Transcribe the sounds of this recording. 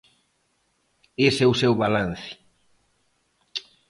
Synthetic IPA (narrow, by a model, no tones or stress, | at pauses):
esɛusewβalan̟θɪ̥